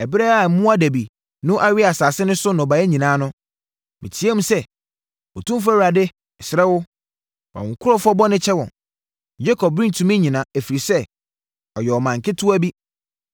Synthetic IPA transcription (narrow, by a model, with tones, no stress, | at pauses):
ɛ˨bɪ˦ɾɛ˦a˨˦mũ˦a˦dæ˨bi˨ | nʊ̃˦ʔa˦ɥɪ˦a˨saː˨sɪ˦nʊ̃˦sʊ˦nʊ̃˨ba˨˦ɛ˦ɲĩ˨nãː˨˦nʊ̃˦ | mḭ̃˨tʰi˨˦e˦mũ˦sɛ˦ | o˨tʰũ˦m˦fa˦wa˨dɪ˦ | ɛ˨sɪ˨ɾɛ˦wʊ˦ | wa̰˨ʊ̃˨kʰʊ˦ɾɔ˦fɔ˦bɔ˦nɪ̃˦t͡ɕʰɛ˦wɔ̰̃˨n | d͡ʑe˦kʰɔ˨bɾĩ˦n˨tʰũ˨mĩ˦ɲĩ˨nã˨æ˨fi˨ɾi˨sɛ˦ | ɔ˨jɛ˨ɔ˨mã˨ŋ̩˨kʰɪ˦tʰʊ˦æ˦bi˦